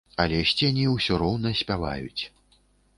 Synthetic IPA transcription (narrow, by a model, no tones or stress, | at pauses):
ɐlʲɛɕʲt͡sʲenʲiwsʲɔɾɔwnɐsʲpʲava̰jṵt͡sʲ